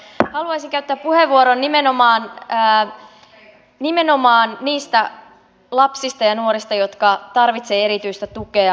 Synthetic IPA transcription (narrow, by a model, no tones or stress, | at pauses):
hɑluɑjsiŋkæyt̪ːæːppuheʋːuoɾonːimeno̞mɑːnː | nimeno̞mɑːnniːst̪æ | lɑpsist̪ɑjɑnuo̞ɾist̪ɑjo̞t̪kɑt̪ɑrʋit̪se̞ːe̞ɾit̪yjst̪æt̪uke̞ɑ